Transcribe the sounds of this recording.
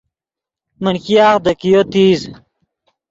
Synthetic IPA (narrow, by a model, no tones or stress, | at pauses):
mənkijaːxd̪ɐkijot̪iːz